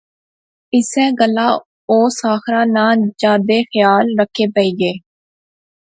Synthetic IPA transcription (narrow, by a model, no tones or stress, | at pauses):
ɪsɛ̃ːɡəlːaː | oːsaːxɾãːnãːd͡ʒaːd̪eːxjaːlɾəkʰeːpəiːɡeː